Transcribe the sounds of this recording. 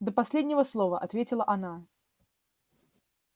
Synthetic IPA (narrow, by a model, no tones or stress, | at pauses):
d̪əpasʲlʲed̪ʲnʲɪvəslˠɔvəʔat̪vʲet͡sʲɪlˠəʔana